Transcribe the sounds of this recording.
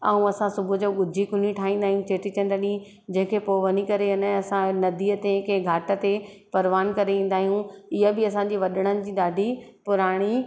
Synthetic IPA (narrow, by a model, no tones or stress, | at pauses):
ɐũɐsãsʊbʱʊ̆d͡ʑoːɡʊd͡ʑʱikʊniʈʰaːɦĩːn̆d̪aːɦijũt͡ɕeːʈit͡ɕɐ̃nɖ̪əɗĩ | d͡ʑɐ̃ɦɪ̃kʰepoːʋɐnikɐɾeɐñɐsãnɐd̪iːət̪ekeɡʱaːʈə̆t̪e | pɐɾʋaːnkɐɾeʋĩːn̆d̪aːɦijũɪɦəbɪɐsãɲd͡ʑiʋɐɗəɽ̃ənɪ̆d͡ʑiːɗaːɖʱipʊɾaːɽ̃i